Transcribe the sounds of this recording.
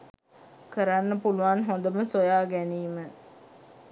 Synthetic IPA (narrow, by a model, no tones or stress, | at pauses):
kəɾanːəpuluʋanɦond̪əməsojaːɡæniːmə